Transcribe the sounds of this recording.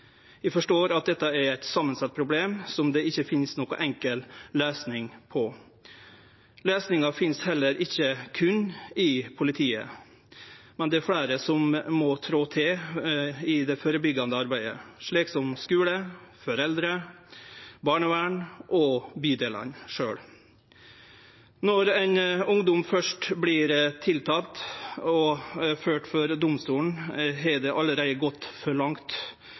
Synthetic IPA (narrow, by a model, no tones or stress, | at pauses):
jæɪfɔʂʈoːɾɑt̪̚d̪ɛt̪ːɑæɾæɪt̪sɑmːənsɑt̪̚ːpʰɾʊbleːmsɔmd̪ɛɪçːəfɪnsnɔːkɔ̰ʔɛŋkəlløːsnɪŋpʰɔ | løːsnɪŋɑfɪnshɛlːəɾʔɪçːəkʰʉnːɪpʰʊlɪt̪ʰiːə̰ | mɛnd̪ɛæɾfɽæːɾəsɔmmɔt̪ʰɾoːt̪ʰɪ | ɪd̪ɛfoːɾəbʏɡːɑnd̪əɑɾbæɪd̪ə̰ʂɭiːksɔmskʉːləfɔɾɛld̪ɾə | bɑːɳəʋæːɳʔɔbyːd̪eːlɑ̰nʂøːɽ | nɔɾæɪnʊŋd̪ʊmfœʂʈbliːɾt̪ʰɪlt̪ʰɑːlt̪ɔføːʈfɔɾd̪ʊmst̪uːɳ̩ɦɛd̪ɛʔɑlːəɾæɪəɡɔt̪ːfɔɭɑŋt̪